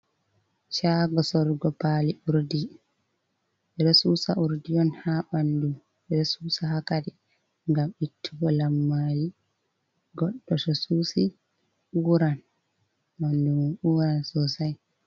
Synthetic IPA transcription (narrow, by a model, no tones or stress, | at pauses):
ʃaɡɔsɔɾɡɔpaːliʔuɾdi | ɓɛdɔsuːsaʔuɾdiɔnhamandum | ɛdɔsuːsahakadɛ | ŋɡamitʰːuɡɔlamːali | ɡɔɗːɔsɔsuːsi | uːɾan | mandumuːɾansɔsaj